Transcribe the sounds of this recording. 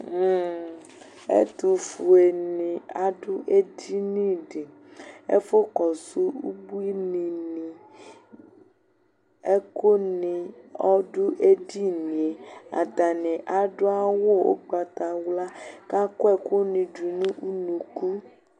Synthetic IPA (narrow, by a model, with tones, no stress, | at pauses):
ḛ˦t̪u˨fu˨e˨nĩ˨a˦ɖʊ˦ʔe˦di˦nĩ˦ɖe˨ | ḛ˦fo˦kɔ˨su˦u˦bu˦i˦nĩ˨nĩ˨ | e˦ko˦nĩ˨ɔ˦ɖʊ˦ʔe˦di˦nĩ˨e˨a̰˨t̪a˨nĩ˨ʔa˨ɖʊ˦a˦wo˦o̰˦ɡ͡ba˨t̪a˨wla˦ka˦ko˦e˦˨ko˦nĩ˨d͡ʒu˨nũ˦ʔu˦nũ˨ku˦